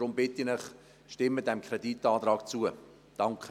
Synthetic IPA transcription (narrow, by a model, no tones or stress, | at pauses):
ɾʊmbɪtinɪχ | ʃtɪmːədɛmkʰɾɛditɑːt̪ɾɑːkt͡suə | d̥ɑŋkχə